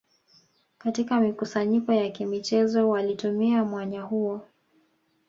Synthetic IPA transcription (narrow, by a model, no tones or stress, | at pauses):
katikamikusaɲikɔjakimit͡ʃɛzɔwalitumiamwaɲahuɔ